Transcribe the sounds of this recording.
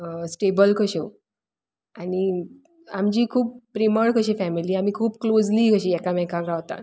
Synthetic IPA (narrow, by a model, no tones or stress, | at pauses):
sʈebəlkəɕe | ani | amd͡ʑiːkʰuːp̚ːɾiməɽkəɕifæmiliːam̤iːkʰuːpklod͡zliːkəɕiːɛkamɛ̃kãɡɾaʋt̪a̰